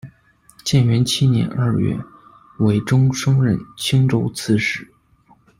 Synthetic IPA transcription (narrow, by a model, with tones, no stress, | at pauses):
t͡ɕjɛ˥˩nɥɛ˧˥nt͡ɕʰi˥njɛ̰˧˥nʔə˞˥˧ɥɛ̰˥˩ | we˧˥ɪʈ͡ʂʊ˥ŋʂɤ˥ŋɻə˥˧˩nt͡ɕʰi˥ŋʈ͡ʂo˥ʊt͡sʰɹ̩˥˧ʂɻ̩˥˩˦